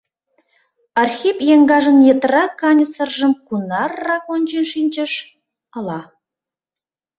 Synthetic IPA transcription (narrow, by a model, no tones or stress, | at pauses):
ɑrxʲipjeŋɡɑʒə̆njĕt̪rɑkɑnʲəsə̆rʒə̆mkunɑrːɑkonʲt͡ɕinʃinʲt͡ɕə̆ʃ | ɑlˠɑ